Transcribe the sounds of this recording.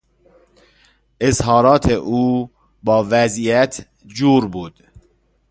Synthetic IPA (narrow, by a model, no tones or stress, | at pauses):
ʔezhɒːɾɒːt̪ʰeʔuː | bɒːvæzijæt̪ʰ | d͡ʒuːɾbuːd̪̥